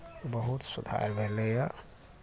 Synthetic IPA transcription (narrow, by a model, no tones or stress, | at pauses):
bəɦut̪sud̪ʱa̰ɾbʱeleja